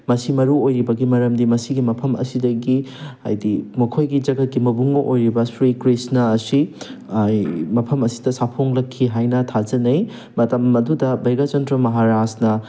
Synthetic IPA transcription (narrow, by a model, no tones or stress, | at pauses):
mɐsimɐɾuojɾibɐɡimɐɾɐmdimɐsiɡimɐpʰɐmɐ̰sidɐɡiɐ̰jdimɐkʰojɡid͡ʒɐɡɐt̚kimɐbuŋɐʔojɾibɐsɾikɾisnaɐsi | mɐpʰɐmɐsi̥dɐsapʰoŋlɐkʰːiɦajnɐtʰad͡ʒɐnɐj | mɐtɐmɐdudɐbajɡad͡ʒɐntɾɐmɐɦaɾasnɐ